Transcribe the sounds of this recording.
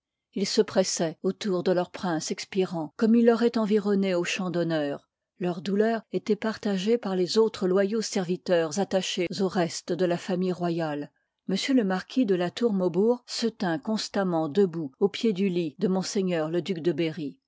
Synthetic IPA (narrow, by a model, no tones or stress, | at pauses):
ilsəpχɛsɛot̪uʁd̪əlœʁpχɛ̃sɛkspiʁɑ̃kɔmilːɔʁɛt̪ɑ̃viʁɔneoʃɑ̃d̪ɔnœːʁ | lœʁd̪ulœːʁet̪ɛpaʁt̪aʒepaʁlezot̪χəlwajosɛʁvit̪œʁzat̪aʃezoʁɛst̪d̪əlafamijʁwajal | məsjøləmaʁkʲʰid̪əlat̪uʁmobuʁsət̪ɛ̃kɔ̃st̪amɑ̃d̪əbuopjed̪ylid̪əmɔ̃seɲœʁləd̪ykd̪əbeʁi